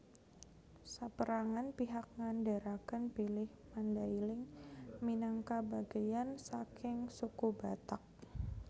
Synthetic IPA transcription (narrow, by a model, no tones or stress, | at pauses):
sapəɾaŋanpiɦak̚ŋandaɾakənpilɪhmandailɪŋminaŋkabaɡajansakɪŋsukubat̪ak̚